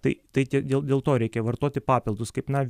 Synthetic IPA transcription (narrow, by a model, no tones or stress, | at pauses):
t̪ɐɪt̪ɐɪt̪ʲidʲeːlˠd̪ʲeːlˠt̪oːɾʲɛɪkʲɛʋɐrt̪oɔt̪ʲɪpɑːpʲɪlˠd̪ʊskɐɪpnɐʋʲ